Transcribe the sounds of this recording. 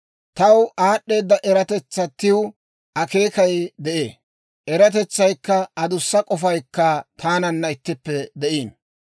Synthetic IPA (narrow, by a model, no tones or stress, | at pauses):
t̪ɐwaːɗːe̞ːd̪ːɐʔɛɾɐt̪ɛt͡sːɐt̪ːɪw | ʔɐke̞ːkɐjd̪ɛʔeː | ʔɛɾɐt̪̬ɛt͡sːɐjkːɐɐd̪ʊsːɐkʼɔfɐjkːɐt̪ʰaːnɐnːɐɪt̪ːɪpːɛd̪ɛʔiːn